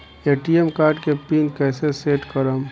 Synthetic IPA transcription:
eːʈiemkaːɾʈkepiːnkɛːseseːʈkəɾəm

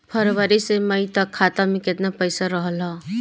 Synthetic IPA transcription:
pʰəɾʋəɾiseməjt̪əkʰːat̪amẽket̪napəɪsaɾəɦəlɦɔ

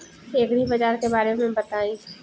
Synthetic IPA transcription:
eːɡɽibɐd͡ʒaːɾkebaːɾemẽbɐt̪aːĩ

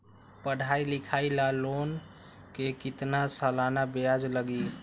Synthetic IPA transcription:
pəɽ̤ʱailikʰailalon | kekit̪nasalanabead͡ʒləɡi

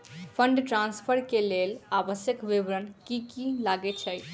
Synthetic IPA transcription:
pʰəɳɖʈɾãnspʰəɾkelelabəsjəkʋiʋɾənkikilaɡɛt͡ʃʰəj

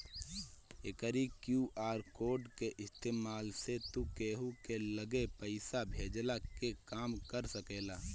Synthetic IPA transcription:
ḛkəɾikjuaːɾkoːɖkeʔɪst̪eːmaːlset̪ukeːɦukeləɡepəɪsabʱeːd͡ʒlakekaːmkəɾsəkelaː

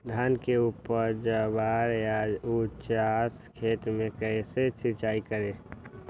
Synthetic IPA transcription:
d̪ʱaːnkeuːpəɾd͡ʒəbaɾjad͡ʒut͡ʃaskʰeːt̪mẽkəɪset͡ʃʰɪɾt͡ʃaːikəɾe

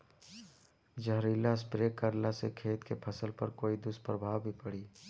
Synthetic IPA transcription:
d͡ʒəɦɾiːlaspɾeːkəɾlasekʰeːt̪kepʰəsəlpə̰ɾkoːid̪ʊspɾəbʱaːwbʱipəɽiː

